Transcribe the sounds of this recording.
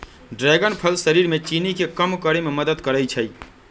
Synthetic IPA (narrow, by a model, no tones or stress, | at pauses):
ɖɾɛːɡənpʰəlsəɾiɾmet͡ʃinikekəmkəɾememəd̪əd̪kəɾəjt͡ʃʰəj